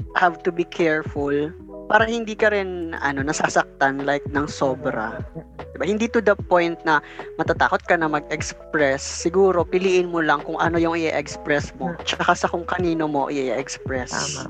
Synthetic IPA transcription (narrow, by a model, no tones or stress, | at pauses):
havt̪ʊbikʰɛɹfʊl | paːɾɐhɪnd̪iːkɐɾɪnɐ̰no̞nɐsaːsɐk̚t̪anlajk̚nɐŋso̞ːbɾɐ̰d̪ɪbahɪnd̪it̪ʊd̪ɐpo̞jnt̪̚nɐmɐt̪at̪a̰ːko̞t̪̚kɐnɐmɐɡ̚ɛkspɹɛsːɪɡuːɾo̞pɪliːʔɪnmolɐŋkʊŋʔɐno̞jʊŋɪʔɛʔɛkspɹɛsmo̞t͡ʃɐkasɐkʊŋkɐniːnomo̞ʔɪ̰ʔʔɛʔɛkspɹɛs